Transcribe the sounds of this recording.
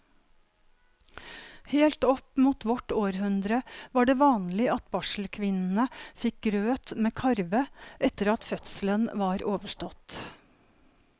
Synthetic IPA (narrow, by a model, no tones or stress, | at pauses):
heːlt̪ɔpmuːt̪ʋɔʈoːɾhʉnd̪ɾəʋɑːɖeːʋɑːnlɪɑt̪̚bɑʃl̩kʰʋɪnn̩əfɪk̚ɡɾøːt̪meːkʰɑɾʋəʔɛt̪əɾɑt̪fœt̪sl̩ənʋɑːɾʔoːʋəʃʈɔt̪